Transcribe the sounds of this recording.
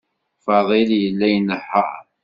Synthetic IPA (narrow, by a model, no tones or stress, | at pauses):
fɑðˤiljəlːæjnəħːa̰